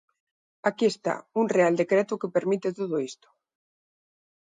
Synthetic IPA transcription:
akiest̪a̰unreald̪ekɾɛt̪ʊkepeɾmit̪et̪oðoist̪o̥

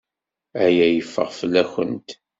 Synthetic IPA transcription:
æjæjəfːə̰ʁfəlːæçə̰nt̪

